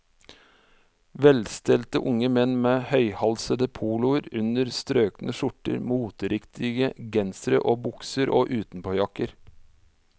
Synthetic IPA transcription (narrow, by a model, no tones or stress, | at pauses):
ʋɛlst̪ɛlt̪əʔʊŋəmɛnmeːhœʏhɑlsəd̪əpʰuːlʊəɾʉnəɾst̪ɾøːknəʃʊʈə̰ɾmuːt̪əɾɪkt̪ʰɪɡəɡɛnsɾə̰ʔoːbʊksəɾʔoːʔʉːt̪n̩pʰoːjɑkəɾ